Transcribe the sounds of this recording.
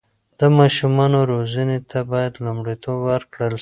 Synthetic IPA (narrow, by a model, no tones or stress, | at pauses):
d̪̥əmɑʃumɑnoɾozanet̪ʰabɑjad̪lumɽit̪ʰobwəɾkɽəl